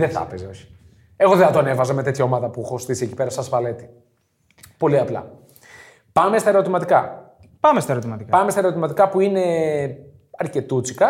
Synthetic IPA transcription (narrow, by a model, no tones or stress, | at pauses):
ðeθɐ̰pezeo̞çi̥ | e̞ɣoðeθɐt̪oɐnevɐzɐmet̪e̞t̪çɐomɐðɐpuxost̪isie̞cipe̞ɾɐsɐsvɐle̞t̪i̥ | po̞liɐplɐ̰ | pɐmest̪ɐeɾot̪imɐt̪ikɐ | pɐmest̪ɐeɾot̪imɐt̪ikɐpɐmest̪ɐeɾo̞t̪imɐt̪ikɐpuine̞ | ɐɾce̞t̪ut͡si̥kɐ